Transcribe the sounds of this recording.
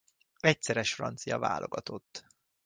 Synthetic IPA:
ɛc̚sɛɾɛʃfrɒnt̪sijɒva̰ːlʔo̞ɡɒt̪o̞t̪ː

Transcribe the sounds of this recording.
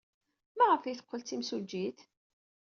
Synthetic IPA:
mæʁəfijθə̥qːəlt͡s̪imsud͡ʒːiθ

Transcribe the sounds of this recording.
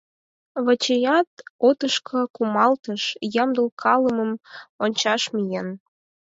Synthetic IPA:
βə̆t͡ɕejɑt̪ot̪əʃkʰɤ̆kumɑlt̪əʃjɑmd̪əlkʰɑləmə̆monʲt͡ɕɑʃmijen

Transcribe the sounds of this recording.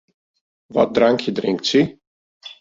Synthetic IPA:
ʋɔ̰t̚draŋkjədrɪŋktsi

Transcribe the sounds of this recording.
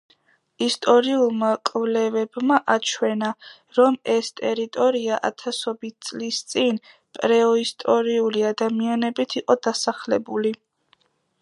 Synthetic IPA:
ist̪ʼɔɾiulˠmakʼvlɛvɛbmaʔat͡ʃʰwɛna | ɾɔmɛst̪ʼɛɾit̪ʼɔɾiaʔa̰t̪ʰasɔbit̪̚ʰt̪sʼlist̪sʼin | pʼɾɛɔist̪ʼɔɾiuliad̪amianɛbit̪ʰiqʼɔd̪̥asaχlɛbuli

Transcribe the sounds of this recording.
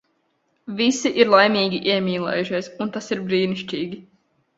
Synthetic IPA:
visiʔiɾlˠajmʲiːɡʲiʔiɛmʲiːlˠɛ̰ːjuʃiɛsunt̪asiɾbɾiːniʃt͡ʃʲiːɡʲi

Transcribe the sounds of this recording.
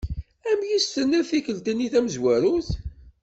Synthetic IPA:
æmjist̪ənæθikəlt̪ənːiθæmzwæɾuθ

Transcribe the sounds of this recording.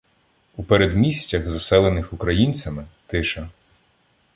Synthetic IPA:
upeɾed̪mʲisʲtʲːɐxzɔsɛlˠenɪxukɾɐjinʲt͡sʲɐmɪt̪ɪʃɐ

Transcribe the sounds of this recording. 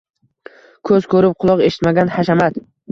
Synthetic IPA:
kʰɵzkʰɵɾɪp̚qʰʊlˠɒqe̞ʃɪ̥t̪maɡʲanhaʃamat̪

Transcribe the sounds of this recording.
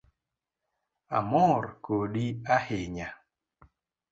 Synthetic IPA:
a̰mɔɾkoɗiaheɲa

